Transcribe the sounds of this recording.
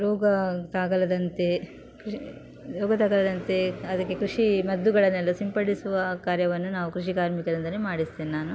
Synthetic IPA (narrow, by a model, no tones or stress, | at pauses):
ɾɔːɡɐt̪aːɡɐlɐd̪ɐnt̪e̞ | kɾ | ɾɔːɡɐt̪aːɡɐlɐd̪ɐnt̪e̞ɐd̪ɐkːe̞kɾuʂimɐd̪ːuɡɐɭɐnːɛlːɐsimpɐɽisuʋɐkaːɾjɐʋɐnːunaːʋukɾuʂikaːɾmikɐɾind̪ɐnemaːɽisd̪eːnnaːnu